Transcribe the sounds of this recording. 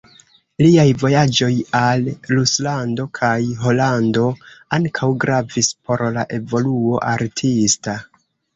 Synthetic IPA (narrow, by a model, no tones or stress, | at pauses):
liajvo̞jad͡ʒo̞jalːuslando̞kʰajɦo̞lando̞aŋkʰawɡɾavispo̞ɾlaʔe̞vo̞luo̞ʔaɾtʰista